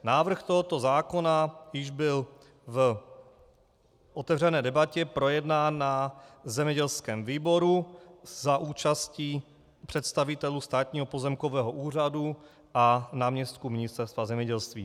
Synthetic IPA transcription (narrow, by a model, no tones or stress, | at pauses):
naːvr̩xt̪oɦot̪o̞zaːkonajɪʒbɪl | v | ʔot̪ɛvrɛnɛːdɛbacɛpɾo̞jɛdnaːnːazɛmɲɛɟɛlskɛːmviːboɾuzaʔuːt͡ʃasciː | pr̥ɛt̪st̪avɪt̪ɛlust̪aːt̪ɲiːɦopozɛmkovɛːɦoʔuːr̝adu | ʔanaːmɲɛst̪̚kumɪɲɪst̪ɛɾst̪vazɛmɲɛɟɛlst̪vḭː